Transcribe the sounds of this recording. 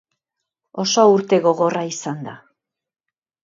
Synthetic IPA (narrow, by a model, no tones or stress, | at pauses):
o̞so̞uɾt̪e̞ɣo̞ɣo̞raisand̪a